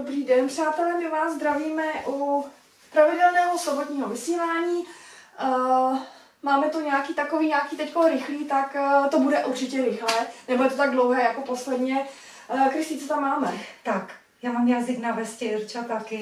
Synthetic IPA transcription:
obɾiːdɛnpr̥aːt̪ɛlɛmɪvaːzzd̪ɾaviːmɛʔu | pɾavɪdɛlnɛːɦosobot̪ɲiːɦovɪsiːlaːɲiː | maːmɛt̪uɲɛakiːt̪akoviːɲaːkiːt̪ɛckonɾɪxliːt̪akt̪o̞budɛʔuɾt͡ʃɪcɛɾɪxlɛnɛbojɛt̪o̞t̪aɡ̚dlowɦɛːjako̞poslɛdɲɛ | kɾɪsiːt͡sɛt̪amːaːmɛt̪ak | jaːmamjazɪɡnavɛscɪrt͡ʃat̪akɪ

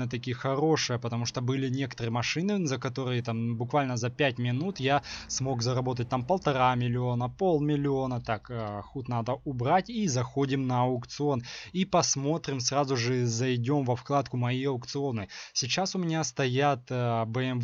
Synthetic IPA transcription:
nət̪̬ɐkʲijəxɐɾo̞ʂɨjəpət̪ɐmuʂt̪obɨlʲɪnʲe̞kə̥t̪əɾɨjəmɐʂɨnɨzəkɐt̪o̞ɾɨjət̪ambʊkvalʲnəzɐpʲæt̚ʲmʲɪnut̪jasmo̞kzɐɾɐbo̞t̪̬ət̚ʲt̪ampəlˠt̪ɐɾamʲɪlʲɪo̞nəpo̞lˠmʲɪlʲɪo̞nət̪akxut̪nad̪əʊbɾatʲizɐxo̞dʲɪmnəɐʊkt̪sɨo̞nipɐsmo̞t̪ɾʲɪmsrazʊʐɨzɐjdʲo̞mvɐfklˠat̪kʊmɐjijɐʊkt̪sɨo̞nɨsʲɪt͡ɕasʊmʲɪnʲast̪ɐjat̪bəɛm

